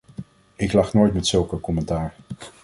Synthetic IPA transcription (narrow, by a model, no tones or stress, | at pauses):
ɪklɑχnojtmɛtsɵlˠkəkɔmɛntaːɹ